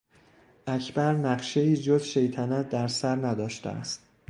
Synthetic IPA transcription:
ʔæcʰbæɾnæɢʃe̞iːd͡ʒozʃe̞jt̪ʰænæt̪̚d̪æɾsæɾnæd̪ɒːʃt̪ḛæ̰st̪̚

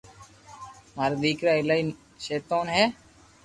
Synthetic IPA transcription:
maːɾad̪iːkɾaːɪlaːin | ʃeːt̪oːnɦɛː

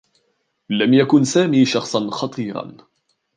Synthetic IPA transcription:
lamjakʊnsaːmiːʃɑxsˤɑnxɑt̪ˤʰiːɾɑ̰n

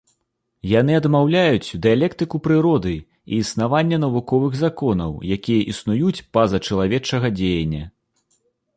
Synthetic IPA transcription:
jan̪ɨɐd̪mawlʲajut͡sʲd̪ɨjalʲɛkt̪ɨkupɾɨɾɔd̪ɨ | ḭːsnavanʲːɐnɐvukɔvɨɣzakɔnɐ̰wjakʲijɐʔisnujut͡sʲpazɐt͡ʂɐlˠavʲɛt͡ʂɐɣɐd͡zʲejɐnʲːɐ

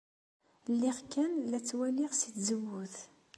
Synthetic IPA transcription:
lːɪʁkːænlæt͡sːwæliʁsit̪zəwːʊθ

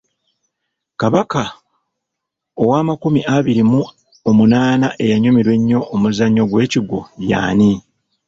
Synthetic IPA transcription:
kaβaka | owaːmakumiʔaβiɾimu | omunaːnaʔe̞jaɲumiɾwe̞ɲːo̞ʔːmuzaɲːo̞ɡwe̞ːciɡo̞ja̰ːni

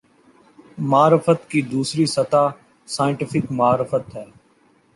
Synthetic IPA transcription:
maːɾɪfət̪kiːd̪uːsɾiːsət̪aː | saːɪ̃ɳʈɪfɪkmaːɾɪfət̪ɦɛː

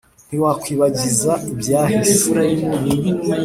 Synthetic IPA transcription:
n̥iwakwiːβaɟizaibjaːhiuɾajimi

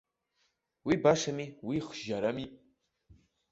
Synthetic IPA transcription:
wibaʂamiwiχʒaɾami

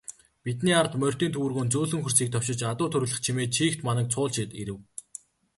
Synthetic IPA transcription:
pit̪niːart̪mœr̥ʲt̪iːnt̪ʰɵwrɣoːnt͡suːɮɵ̆ŋxur̥siːk̚t̪ʰɔw̥t͡ɕɪ̆t͡ɕat̪ʊːt̪ʰɵɾɣɮə̆χt͡ɕʰimeːt͡ɕʰiːxt̪manə̆k̚t͡sʰʊːɮʃɪt̪iɾɘ̆w

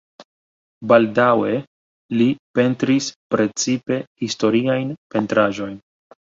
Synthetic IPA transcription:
baldawe̞ | lipe̞ntɾispɾe̞t͡sipe̞histo̞ɾiajnpe̞ntɾaʒo̞jn

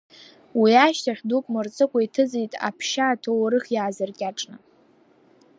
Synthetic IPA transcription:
wiaʃtʰaχʲdukʷʼmɨrt͡sʼɨkʷʼaitʰɨd͡zijtʼa̰pʰʃaːtʰowɾɨχʲjaːzɨrkʲʼaʈ͡ʂʼnɨ

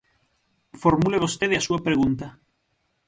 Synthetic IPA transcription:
foɾmuleβ̞ost̪eðeasuapɾeɣunt̪a

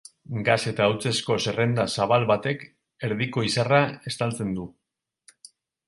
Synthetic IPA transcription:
ɡase̞t̪aːwt͡se̞sko̞se̞re̞nd̪asaβalβat̪e̞k | e̞ɾðiko̞isarae̞st̪alt͡se̞nd̪u

